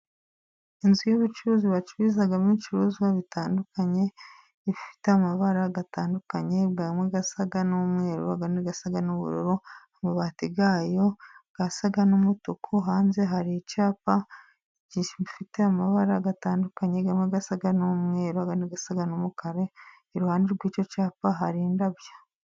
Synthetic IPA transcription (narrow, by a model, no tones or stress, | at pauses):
inzujuβut͡ʃuɾuːziβat͡ʃuβizaɡamit͡ʃuɾuːzɡaβitʰaːndukaɲe̞ | ifi̥teamaβaɾaɡataːndukaɲe̞bɡamweɡasaɡanuumŋe̞ːɾo̰aɡaneɡasaɡanoβṵɾoɾoamaβatiɡaːjo̞ɡ̥asaɡanomutokʰuɦaːnze̞ɦaɾicaːpa | ɟiːʃimifiteamaβaɾaɡataːndukaɲeɡameɡasaɡanomŋe̞ːɾoaɡaneɡasaɡanomukaɾe̞ː | ɾuhaːndeɾɡwiːt͡ʃo̞caːpaɦaɾiːndaβjḁ